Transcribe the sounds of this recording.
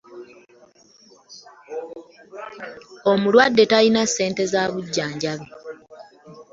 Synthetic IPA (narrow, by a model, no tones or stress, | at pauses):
omulwadːe̞talinasːe̞ːnte̞zaːβuɟːaːɲɟaβi